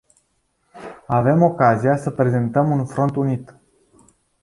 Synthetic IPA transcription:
ave̞mo̞kazijasəpɾe̞ze̞nt̪əmunfɾo̞nt̪unit̪

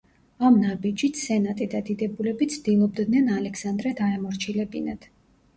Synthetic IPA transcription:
amnabid͡ʒit̪sɛnat̪ʼid̪ad̪id̪ɛbulɛbit̪sʰd̪̥ilˠɔb̚d̪nɛnalɛksand̪ɾɛd̪aɛmɔɾt͡ʃʰilɛbinad̪̥

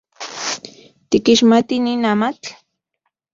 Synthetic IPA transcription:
t̪ikiʃmat̪ininamat͡ɬ

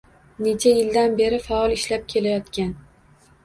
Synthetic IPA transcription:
ne̞t͡ʃʰajɪld̪anbe̞ɾɪfaɒlˠɪʃlap̚kʲʰe̞lajɒt̪kʲan

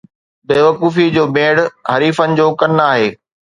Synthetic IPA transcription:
beːʋɐkuːfid͡ʑoːbẽːɽɦɐɾiːfənɪ̆d͡ʑoːkɐnaːɦeː

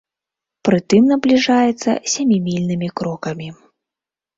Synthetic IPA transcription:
pɾɨt̪ɨmnɐblʲiʐajɛt̪sːɐ̰sʲamʲimʲilʲnɨmʲikɾɔkɐmʲi

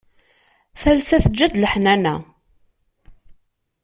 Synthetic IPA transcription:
θælsæθəd͡ʒːæd̪ləħnænæ̰

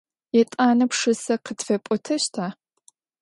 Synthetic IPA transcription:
jɛtʼaːnɐpʂɨsɐqətfɐpʷʼɔtʰɐɕtʰaː

